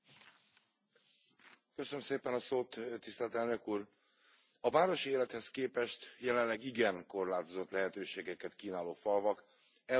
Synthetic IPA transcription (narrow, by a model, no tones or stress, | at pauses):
køsønømseːpɛnɒsoːt̪t̪ːist̪ɛlt̪ɛlnø̞kuːr | ɒvaːɾo̞ʃieːlɛt̪hɛskeːpɛʃt̪jɛlɛnlɛɡiɡɛŋko̞rlaːt̪ozo̞t̪lɛɦɛt̪øːʃeːɡɛkɛt̪kiːnaːloːfɒlvɒk | ɛ